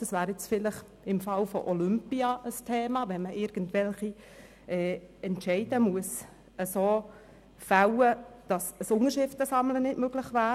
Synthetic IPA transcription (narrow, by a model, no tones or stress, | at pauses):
d̥ɑsvæːɾjɛt͡sfɪləχ | ɪmfɑlfɔ̰ʔɔlʏmpiɑʔəstʰeːmɑːʋɛnməʔɪɾɡ̥əntʋɛlχi | ʔɛːɛntʃɛɪd̥əmuəs | əsoː | fawəd̥ɑsəsʊŋəɾʃɪftəsɑmlənɪtmøɡ̥lɪχvæː